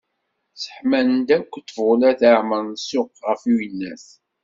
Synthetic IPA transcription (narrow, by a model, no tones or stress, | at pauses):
sə̥ħmænd̪ækʷːət̪ːvʊlæθəɾməɾnsʊqʁəfiwinːæθ